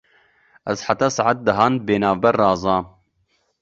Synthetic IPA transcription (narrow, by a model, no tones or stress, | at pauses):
ʔɛzħat̪ɑːsɑʕat̪̚d̪əɦɑːnbeːnɑːvbɛɾːɑːzˤɑː